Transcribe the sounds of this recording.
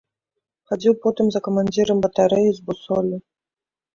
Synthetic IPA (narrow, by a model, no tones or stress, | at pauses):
xad͡zʲiwpɔt̪ɨmzɐkɐmanʲd͡zʲiɾɐmbɐt̪aɾɛjizbusɔlʲi